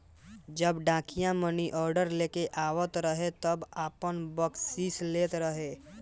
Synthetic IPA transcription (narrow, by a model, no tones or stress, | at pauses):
d͡ʒəbɖãːkijãməniʔɔːɾɖəɾleːkeʔaːʋət̪ɾəɦet̪əbaːpənbəksiːsleːt̪ɾəɦeː